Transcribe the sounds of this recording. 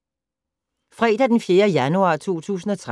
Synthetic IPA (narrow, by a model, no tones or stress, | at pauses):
fʁɛːd̥æd̥enfje̝ːɐjænuɑ̰̈ːt͡sʰo̝̰ːt͡sʰṵːsn̩ɒ̽t͡sʰʁ